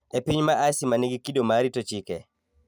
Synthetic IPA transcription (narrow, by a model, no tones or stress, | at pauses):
epiɲmaʔasimaneɡikidomaɾitot͡ʃikɛ̰